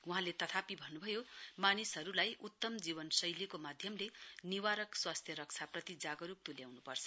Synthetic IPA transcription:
wuɦãlet̪ʌt̪ʰapibʱʌnːubʱʌjomanisɦʌɾulajut̪ːʌmd͡zibʌnsʌjlikomad̪ʱjʌmleniwaɾʌkswast̪ʰjʌɾʌk̚t͡sʰaprʌt̪id͡zaɡʌɾup̚t̪uljawnupʌrt͡sʰʌ

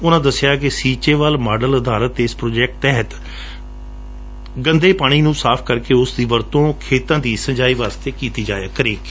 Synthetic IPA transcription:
ʊnãːd̪əsɪjaːkɪsiːt͡ʃeːʋəlmaːɖələd̪ʱaːɾət̪ɪspɾoːd͡ʒɛːk̚ʈ̚t̪ɛɦət̪ | ɡə̃nd̪eːpaːɽ̃iːnũːsaːpʰkəɾkeːʊsd̪iːʋəɾt̪õːkʰeːt̪ãːd̪iːsə̃ɲd͡ʒaːiːʋaːst̪eːkiːt̪iːd͡ʒaːjaːkəɾeːk

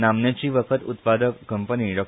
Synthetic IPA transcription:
namnjat͡ɕiːʋəkʰət̪ut̪pad̪əkːəmpəniɖɔk

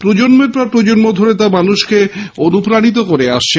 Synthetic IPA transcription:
pɾod͡ʑonmeɾpaɾpɾod͡ʑonmod̪ʱoɾet̪amanuʃkeonupɾaɽ̃it̪̬okoɾeaʃt͡ɕʰe

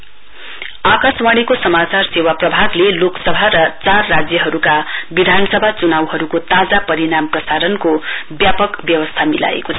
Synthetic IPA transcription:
akaswaɽ̃ikosʌmat͡sarsewaprʌbʱaɡleloksʌbʱaɾʌt͡sarːad͡zjʌɦʌɾukabid̪ʱanʌsʌbʱat͡sunawɦʌɾukot̪ad͡zapʌɾiɽamprʌsaɾʌnkobjapʌkbjʌwʌst̪ʰamila̰ḛkot͡sʰʌ

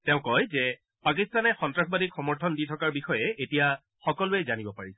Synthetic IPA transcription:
teʊ̃kɔjzɛ | pak̬istanɛxɔntɹakʰbadikxɔmɔɹtʰɔnditʰɔkaɹbixɔjɛʔetija | xɔkɔlʊɛzanibɔpaɹisɛ̥

